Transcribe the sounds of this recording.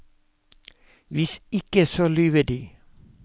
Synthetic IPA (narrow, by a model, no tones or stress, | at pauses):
ʋɪsɪkəsoːlyːʋəd̪iː